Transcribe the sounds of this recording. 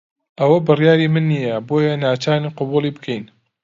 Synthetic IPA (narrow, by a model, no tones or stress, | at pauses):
ʔɐwɐbɨrjaːɾiːmɨnːijɐboːjɐnaːt͡ʃaːniːqʊbuːlˠiːbɨkʰɛjn